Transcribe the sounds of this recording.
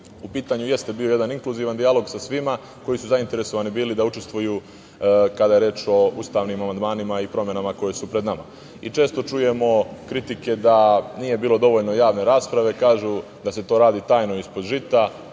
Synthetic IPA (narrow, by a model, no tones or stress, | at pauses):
upiːt̪aɲuje̞st̪e̞bio̞je̞d̪aniŋkluziːʋand̪ijalˠo̞ɡsasʋima | ko̞jisuzaint̪e̞ɾe̞so̞ʋaːnibiːlid̪aut͡ʃe̞st̪ʋujuː | kad̪aje̞ɾe̞ːt͡ʃo̞ust̪aːʋnimamand̪maːnimaipɾo̞mje̞namako̞jesupɾe̞d̪nama̰ | it͡ʃe̞ːst̪o̞t͡ʃuje̞mo̞kɾit̪ike̞d̪anije̞biːlo̞d̪o̞ʋo̞ʎno̞jaːʋne̞ɾaːspɾaʋe̞kaːʒu | d̪ase̞t̪o̞ːɾaːd̪iːt̪aːjno̞ispo̞d̪ʒit̪a